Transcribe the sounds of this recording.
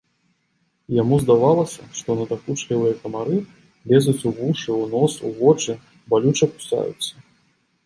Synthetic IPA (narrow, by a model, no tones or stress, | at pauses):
jamuzd̪avalˠɐsʲɐʂt̪ɔnɐt̪akut͡ʂkʲɐvɨjɐkɐmaɾɨ | lʲɛzut͡sʲuvuʂɨwnɔsṵvɔt͡ʂɨ | balʲut͡ʂɐpu̥sa̰jṵt̪sːɐ̥